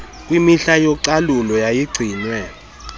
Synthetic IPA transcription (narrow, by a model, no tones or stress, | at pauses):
kʼwimiɬajɔǀalulɔjajiɡ͡ǀʱiːnwɛ